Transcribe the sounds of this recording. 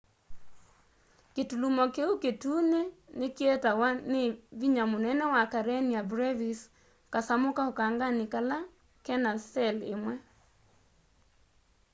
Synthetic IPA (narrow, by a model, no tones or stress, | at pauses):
ketulumɔkeuketuːnenekeɛtawaneβiɲamonɛnɛwakaɾɛniabɾɛvis | kasamokaokaːŋɡanikala | kɛnasɛlḛmwɛ